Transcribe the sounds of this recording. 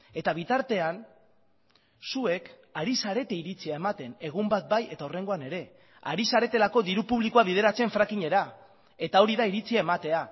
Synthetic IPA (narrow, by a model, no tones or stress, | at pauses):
e̞t̪aβ̞it̪aɾt̪e̞an | sue̞k | aɾisaɾe̞t̪e̞iɾit͡siae̞mat̪e̞ne̞ɣ̞umbat̪̚baje̞t̪aore̞ŋɡo̞ane̞ɾe̞ | a̰ɾisaɾe̞t̪e̞lako̞ðiɾupuβlikuaβ̞iðe̞ɾat͡se̞ɱfɾakiɲe̞ɾa | e̞t̪ao̞ɾiðaiɾit͡siae̞mat̪e̞a